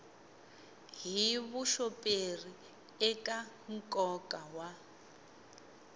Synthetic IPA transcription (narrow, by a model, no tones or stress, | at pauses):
ɦiβuʃɔpʼeri | ɛkʼa | ŋ̩kʼɔkʼawa